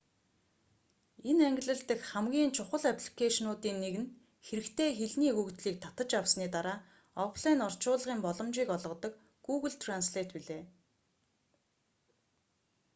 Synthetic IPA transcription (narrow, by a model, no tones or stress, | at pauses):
enæŋɡʲɪ̆ɮɘ̆ɮt̪ɘ̆kχæmɡʲiːnt͡ɕʰʊχə̆ɮapʰɮi̥kʰaʃnʊːt̪iːnːeɣɘ̆n | xeɾɘ̆kt̪ʰeːxeɮniːɵkt̪ɮiːk̚t̪ʰḁt̪ə̆t͡ɕawsniːt̪aɾaː | ɔpʰɮæːnɔr̥t͡ɕʊːɮʁiːmpɔɮɞ̆mt͡ɕiːkɔɮʁɞ̆t̪ɞ̆k | ɡ̥uːɣɘ̆ɮt̪ʰransɮeːt̪piɮeː